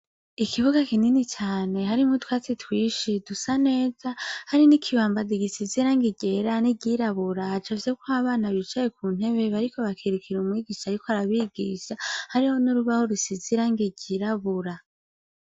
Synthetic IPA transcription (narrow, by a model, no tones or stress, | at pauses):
ikʰiβuɡakininit͡ʃaːne̞haɾimhotwaːt͡sitwiːʃidusane̞ːzahaɾinikʰiβaːmbadiɡisiziɾaŋɡiɟe̞ɾaniɟiɾaβuɾahad͡ʒavjekwoaβaːnaβit͡ʃajekuːn̥e̞βe̞βaɾiko̞βakʰiɾukʰiɾumwiːɡiːʃaɾikoaɾaβiːɡḭːʃahaɾiho̞nuɾuβahoɾisiziɾaŋɡiɟiɾaβuɾa